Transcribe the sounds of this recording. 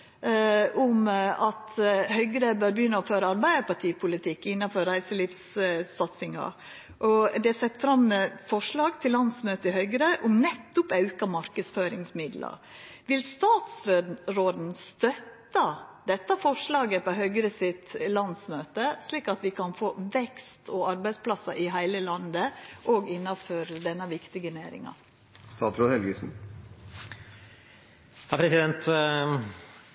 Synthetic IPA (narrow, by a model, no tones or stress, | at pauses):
ʔʊmɑt̪hœʏɡɾəbøːɾbjʏnːəɔføːɾəɑɾbæɪəɾpʰɑʈʰiːpʰʊlɪt̪ʰɪkːɪnːɑfɔɾɾæɪsəliːfsːɑt̪sɪŋɑ̰ | ʔɔd̪ɛæsɛt̪ːfɾɑmːɛfɔʂɭɑːɡt̪ʰɪllɑnsmøːt̪əɪhœʏɡɾəʔʊmnɛt̪ːʊpɑʉkɑmɑɾkəsføːɾɪŋsmɪd̪lɑ̰ʋɪlst̪ɑːt̪sɾɾoːd̪n̩st̪œt̪ːɑd̪ɛt̪ːɑfɔʂlɑːɡəpʰɔɦœɡɾəsɪt̪lɑnsmøːt̪əsliːkɑt̪ʋɪkʰɑnfoːʋɛkst̪ʰɔɑɾbæɪspʰlɑsɑʔɪɦæɪləlɑnd̪əʔɔɡɪnːɑføːɾd̪ɛnːɑʋɪkt̪ɪɡəneːɾɪ̰ŋɑ̰ | st̪ɑːt̪ɾoːd̪ɛlɡəsn̩ | hɑːpʰɾɛsɪd̪ɛnt̪